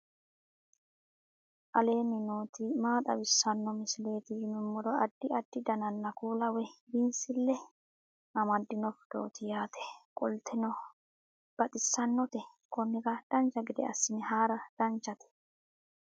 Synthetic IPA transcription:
ʔɐle̞ːnːɪnoːt̪ɪmaːt̪ʼɐbɪsːɐnːɔmɪsɪle̞ːt̪ɪjɪmɪmːɔɾɔɐd̪̥ːɪɐd̪̥ːɪd̪ɐnɐnːɐkuːlɐwɛbinsɪlːɛ | ʔɐmɐd̪ːɪnɔfd̪̥o̰ːt̪ʰɪjaːt̪ʰɛ̥kʼɔlt̪ʰɛnɔ | b̥ɐt̪ʼɪsːɐnːɔt̪ɛ | kɔnːɪkɐd̪̥ɐnt͡ʃːɐɡɪd̪ɛ̰ɐ̰sːɪnɛhaːɾɐd̪̥ɐnt͡ʃːɐt̪ɛ̥

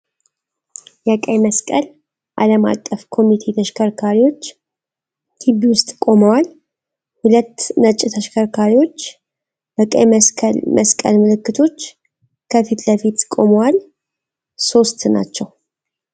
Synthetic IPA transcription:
jɛkʼəjməskʼəl | ʔaləma̰kʼːəfkʰo̞mit̪ʰe̞t̪ʰəʃkʰəɾkʰaɾiwo̞t͡ʃː | t̪ʰibiwʊst̪ʼkʼo̞məwal | hulət̪ːnət͡ʃʼɪt̪ʰəʃkʰəɾkʰaɾiwo̞t͡ʃː | bəkʼə̰jlmʔəskʼə̰lmɨlɨkːɨt̪ʰo̞t͡ʃː | kʰəfit̪ləfit̪kʼo̞məwal | so̞st̪na̰t͡ʃːɛw

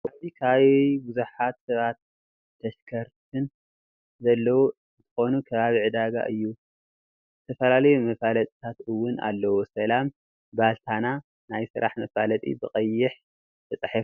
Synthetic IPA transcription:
azikʰaβbʊzuħat̪sɐβat̪̚ | t̪ʰːɐʃkʰɐɾt̪ʰɨn | zɐlːɐwu | ɨnt̪ʰɨ̥xo̞nukʰɐβaβiʕɨd̪aɡa̰ʔɨ̰jːu | zɨt̪ʰɐfɐlalɐjumɐfalɐt̪ʼit̪ʰat̪ɨwʊna̰lːɐwosɐlam | balt̪ʰana | najsɨ̰ɾʔaħmɐfalɐt̪ʼḭbɨqʼɐjːɪħ | t̪ʰɐt͡sʼɨħɨf

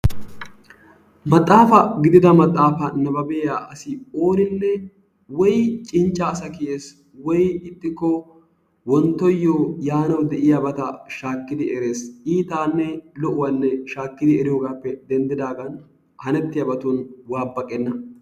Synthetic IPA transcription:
mɐt̪ʼːaːfɐɡɪd̪ɪd̪ɐmɐt̪ʼːaːfɐnɐbɐbɛaːʔɐsɪoːnɪnːɛ | wɔjt͡ʃʼɪnt͡ʃʼːɐːsɐkɪʔeːs | wɔjɪt̪ʼːɪkːɔ | wɔnt̪ːɔjːoːjaːnɐwd̪ɛʔɪjabɐt̪ɐʃaːkːɪd̪ɪʔɛɾe̞ːsiːt̪aːnːɛlɔʔʊwanːɛʃaːkːɪd̪ɪɛɾɪjoːɡaːpːɛd̪ɛnd̪ɪd̪aːɡɐn | hɐnɛt̪ːɪjɐbɐt̪unwaːbːɐkʼːɛnːɐ

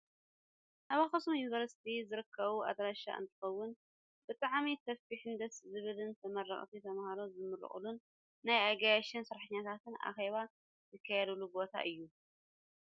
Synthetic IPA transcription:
ʔaβaxɐsumjunivɐɾsi̥t̪ʰizɨɾɨkʰːɐβuʔa̰d̪ɾaʃa̰ʔɨ̰nt̪ʰɨ̥xɐwːʊn | bɨt̪ʼaʕmit̪ʰɐsfiħɨnd̪ɐszɨβɨlɨnt̪ʰɐmɐɾːɐ̰χʼt̪ʰit̪ʰɐmahaɾozɨmɨɾɨ̰χʼɨ̰lunː | ajaɡajaʃɪnsɨɾaħɨɲːat̪ʰat̪ʰɨna̰xeβa | zɨkʰːajɛd̪ulubo̞t̪ʰa̰ʔɨjːu

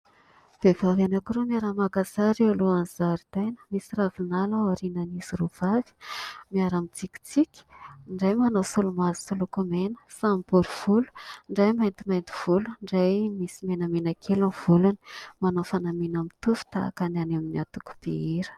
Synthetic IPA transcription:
v̥evavanakiɾumiaɾamaɡazaɾeuluanzaɾid̪ajnə̥misiravinalaaɾinaniziruv̥avi̥miaɾamit͡sikʲi̥t͡sikʲi̥ɳɖ͡ʐajmanosulumazi̥sulukumenə̥sambuɾuv̥ulu̥ɳɖ͡ʐajmajnt̪imajnt̪i̥v̥uluɳɖ͡ʐajmisimenamenakʰelav̥uluni̥manofanaminamit̪ufi̥t̪aa̰kananaminiat̪uku̥piiɾə̥

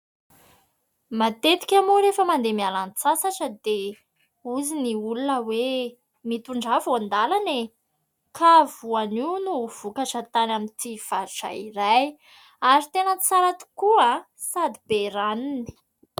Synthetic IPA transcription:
mat̪et̪i̥kʲamuɾefəmand̪emialant͡sasaʈ͡ʂəd̪e | uziniulunəwe | mit̪uɳɖ͡ʐavuand̪alane | kʰavuaninuv̥ukat͡ʃat̪anamint̪iv̥aɾuʈ͡ʂa̰iɾaj | aɾit̪enət͡saɾat̪u̥kua | sad̪ib̥eɾanini̥

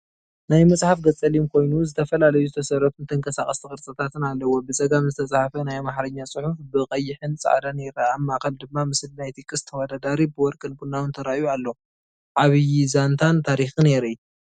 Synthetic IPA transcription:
najmɐsʼħafɡɐt͡sʼɐlimkʰo̞jnuzɨt̪ʰɐfɐlalɐjuzɨt̪ʰɐsɐɾɐt̪unt̪ʰɨŋkʰɐsaχʼɐst̪ʰɨkʼɨɾt͡sʼɐt̪ʰat̪ʰɨnalːɐwobɨzʼɐɡamzɨt̪ʰɐsʼaħafɐnajmaħɾɐɲːat͡sʼɨħufbɨqʼɐjːɪħɨnt͡sʼa̰ʕd̪aneɛɾaːmːaʔkɐld̪ɨmːamɨsɨlnajt̪ʰikʼːɨst̪ʰɐwɐd̪ad̪aɾibɨwɔɾkʼɨnɡunːawɨnt̪ʰɐɾaʔjualːo | ʕaβɨjizant̪ʰant̪ʰaɾixine̞ɾɨ

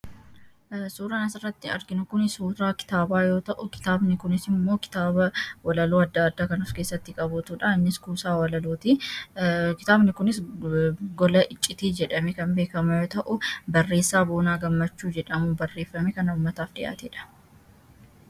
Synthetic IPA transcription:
suːɾɐnɐsɪrːɐt̪ːɪɐ̰ɾɡɪnʊkʊnɪsuːɾaːkɪ̥t̪aːbaːjo̞ːt̪ɐʔʊkɪ̥t̪aːbnɪkʊnɪsɪmːo̞ːkɪ̥t̪aːbɐwɐlɐloːɐd̪ːaːd̪ːaːkɐnɐfke̞ːsːɐt̪ːɪkʼɐbʊt̪uːᶑɐɪnːɪskuːsaːwɐlɐloːt̪i | kɪt̪aːbnɪkʊnɪs | ɡɔlɐʔɪt͡ʃʼːɪt̪iːd͡ʒɛᶑɐmeːkɐnbeːkɐmɐjo̞ːt̪ɐʔʊbɐrːe̞ːsːaːboːnaːɡɐmːɐt͡ʃːuːd͡ʒɛᶑɐmubɐrːe̞ːfːɐmeːkɐnɐʊːmːɐt̪aːfd̪ɪʔa̰ːt̪ḛːᶑɐ̥

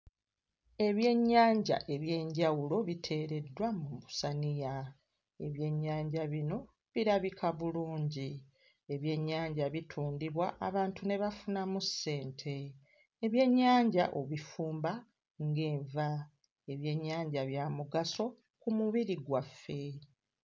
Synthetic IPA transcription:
e̞βje̞ɲːaːɲɟa̰ʔe̞βje̞ːɲɟawulo̞βitʰe̞ːɾe̞dːwamuusanija | e̞βje̞ɲːaːɲɟaβino̞ | βiɾaβikʰaβuluːɲɟi | e̞βje̞ɲːaːɲɟaβitʰuːndiβwaʔaβaːntune̞βafunamusːe̞ːntʰe̞ː | βje̞ɲːaːɲɟa̰ʔo̞βifuːmba | ŋɡe̞ːɱva | e̞βje̞ɲːaːɲɟaβjaːmuɡaso̞ | kumuβiɾiɡwafːe̞

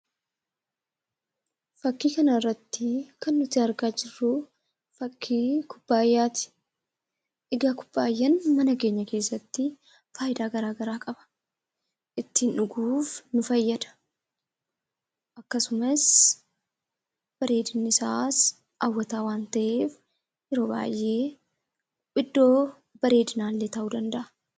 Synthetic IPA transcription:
fɐkːiːkɐnɐɪrːɐt̪ːɪkɐnːʊt̪ɪɐɾɡaːd͡ʒɪrːʊ | fɐkʰːiːkʰʊb̥ːaːjːaːt̪ɪ̥ | ʔɪɡaːkʊ̥bːaːjːɐnmɐnɐke̞ːɲːɐke̞ːsːɐt̪ːɪ | faːjɪd̪aːɡɐɾaːɡɐɾaːkʼɐbɐ̥ | ʔɪt̪ːɪnᶑʊɡuːfnʊfɐjːɐd̪ɐ̥ | ʔɐkːɐsʊmɐs | b̥ɐɾe̞ːd̪ɪnːɪsaːs | ʔɐwːɐt̪aːwaːnt̪ɐʔeːf | jɛɾo̞ːba̰ːjʔe̞ː | pʼɪd̪ːo̞ː | bɐɾe̞ːd̪ɪnaːlːeːt̪ɐʔuːd̪ɐnd̪ɐʔɐ̥

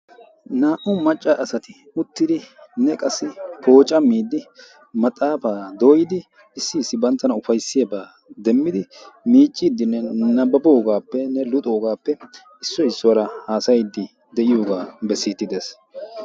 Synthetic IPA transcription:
naːʔʊmɐt͡ʃʼːaʔɐsɐt̪ɪ | ʊt̪ːɪd̪ɪnɛkʼɐsːɪpʰo̞ːt͡ʃʼɐmːiːd̪ːɪ | mɐt̪ʼaːfaːd̪oːjɪd̪ɪ | ɪsːɪːsːɪbɐnt̪ːɐnɐʊfɐjsːɪjabaː | d̪ɛmːɪd̪ɪmiːt͡ʃʼːiːd̪ːɪnːɛnɐbɐboːɡaːpːɛnɛlʊt̪ʼo̞ːɡaːpːɛ | ɪsːɔɪsːɔwɐɾɐhaːsɐjɪd̪ːɪ | d̪ɛʔɪjoːɡaːbɛsːɪːt̪ːɪd̪eːs

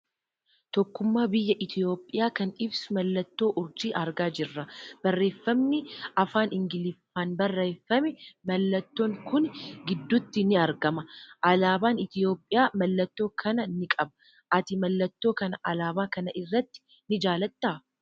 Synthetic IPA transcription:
t̪ɔkːʊmːaːbɪjːɐʔɪt̪ʰɪjo̞ːpʼːɪjaːkɐnɪbsʊmɐlːɐt̪ːo̞ːʔʊɾd͡ʒiːʔɐɾɡaːd͡ʒɪrːɐb̥ɐrːe̞ːfːɐmnɪɐfaːnɪŋɡɪlɪfaːnbɐrːeːfːɐmɛmɐlːɐt̪ːo̞ːŋkʊnɡɪd̪ːʊt̪ːɪnɪɐɾɡɐmɐʔɐlaːbaːnɪt̪ɪjo̞ːpʼːɪjaːmɐlːɐt̪ːo̞ːkʰɐnɐnɪkʼɐbɐ̥ | ʔɐt̪ɪmɐlːɐt̪ːo̞ːkɐnɐʔɐlaːbaːkɐnɐʔɪrːɐt̪ːɪ̥ | nɪd͡ʒaːlɐt̪ːaː

